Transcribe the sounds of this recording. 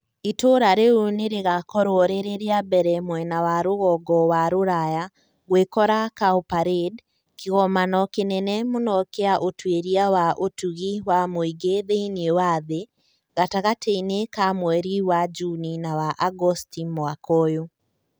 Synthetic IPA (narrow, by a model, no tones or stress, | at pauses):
itoɾaɾeoneɾeɣakɔɾwɔɾeɾeɾeabɛɾɛmwɛnawaɾoɣɔɡɔwaɾoɾaja | ɣwekɔɾakaopaɾed | keɣɔmanɔkenɛnɛmonɔkeaʔotweɾiawaʔotuɣiwamoiɡeðeinewaðe | ɣataɣateinekamwɛɾiwad͡ʒuninawaʔaɡɔstimwakɔjo